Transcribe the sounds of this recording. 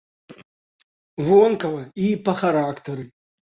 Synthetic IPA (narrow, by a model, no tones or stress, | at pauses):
vonkɐvɐipɐχaɾakt̪ʰɐɾɨ